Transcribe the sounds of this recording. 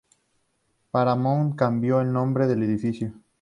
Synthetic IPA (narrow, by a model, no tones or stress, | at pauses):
paɾamõŋkambjoelnõmbɾeðeleðifiθjo